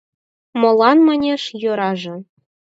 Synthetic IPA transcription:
mɤ̆lˠɑnmɤnʲeʂjŏɾɑʐɤ̆

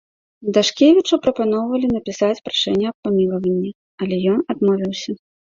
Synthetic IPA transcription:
d̪aʂkʲevʲit͡ʂupɾɐpanɔwvɐlʲin̪ɐpʲisat͡sʲpɾaʂɛnʲːɛɐppamʲilˠɐvɐnʲːɛ | ɐlʲɛjɔnad̪mɔvʲiwsʲɐ

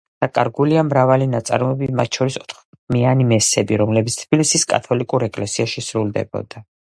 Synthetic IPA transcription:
d̪̥akʼaɾɡuliamɾavalinat̪sʼa̰ɾɔɛbimat̪̚ʰʃʰɔɾisɔt̪ʰχ | mianimɛsɛbiɾɔmlɛbit̪st̪ʰb̥ilisiskʼa̰t̪ʰɔlikʼuɾɛkʼlɛsiaʃisɾulˠd̪ɛ̰bɔ̰d̪a

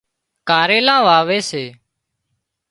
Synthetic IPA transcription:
kaːɾeːlãːʋaːʋeːseː

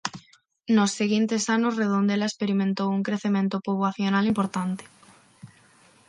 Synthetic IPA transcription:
nosːeɣint̪esanosreðond̪elaespeɾimẽnt̪owuŋkɾeθemẽnt̪opoβwaθjonalimpoɾt̪ant̪e̥

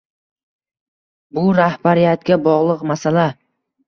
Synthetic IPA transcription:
bʊɾahbaɾijat̪̚ɡʲabɒʁlˠɨqmasala

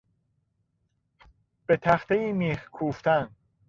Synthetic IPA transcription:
b̥e̞t̪ʰæxt̪eiːmiːhkʰuːft̪æn

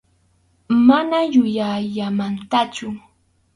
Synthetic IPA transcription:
manajʊjajamant̪at͡ʃʊ

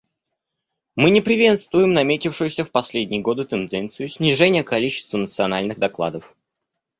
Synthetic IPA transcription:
mɨnʲɪpɾʲɪvʲe̞t̪st̪vʊjɪmnɐmʲetʲɪfʂɨjʊsʲəfpɐsʲlʲedʲnʲɪjəɡo̞d̪ɨt̪ɨnd̪ɛnt̪sɨjʊsʲnʲɪʐɛnʲɪjəkɐlʲit͡ɕɪ̥st̪vənət̪sɨɐnalʲnɨɣd̪ɐklˠa̰d̪əf

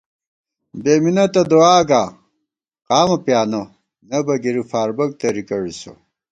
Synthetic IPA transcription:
beːminɐt̪ɐd̪oaːɡaː | qaːmɐpjaːnɐ | nɐbɐɡiɾifaːɾbɐk̚t̪ɐɾikɐɻiso̰

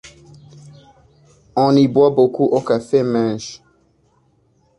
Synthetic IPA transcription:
ɔ̃nibwɔbokuʔɔkafemɛ̃nʃ

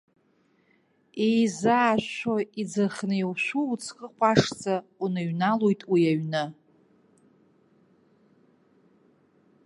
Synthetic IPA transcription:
ejzaːʃoid͡zaχnɨjwʃʷuut͡sʰqʼəqʷʰʼaʂt͡sʼaunɨɥnalojtʼwiaɥnɨ

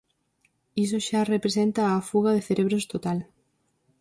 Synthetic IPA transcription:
is̬oʃarepɾesent̪ɐːfuɣɐðeθeɾeβɾost̪ot̪al

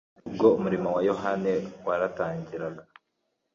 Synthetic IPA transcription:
ub̚ɡoumuɾimowajo̞ɦanewaɾataːɲɟiɾaɡa

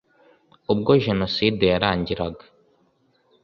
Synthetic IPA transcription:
ubɡo̞ʒe̞no̞sidejaɾaːɲɟiɾaɡḁ

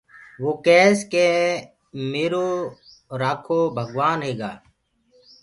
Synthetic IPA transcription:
ʋoːkɛːskeː | meːɾoː | ɾaːkʰoːbʱəɡʋaːnɦeːɡaː

